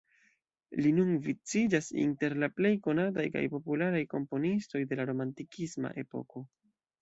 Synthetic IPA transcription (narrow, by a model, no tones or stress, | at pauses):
linunvit͡sid͡ʒasḭnte̞ɾlaple̞jko̞natajka̰jpo̞pulaɾajko̞mpo̞nisto̞jde̞laɾo̞mantikʰisma̰ʔe̞̰po̞̰ko̞